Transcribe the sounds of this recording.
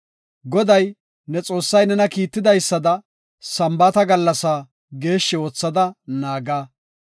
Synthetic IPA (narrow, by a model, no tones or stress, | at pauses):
ɡɔd̪ɐj | nɛt͡sʼo̞ːsːɐjnɛnɐkiːt̪ːɪd̪ɐjsːɐd̪ɐ | sɐmbɐt̪ɐɡɐlːɐsaː | ɡe̞ːʃːɛoːt͡sːɐd̪ɐnaːɡaː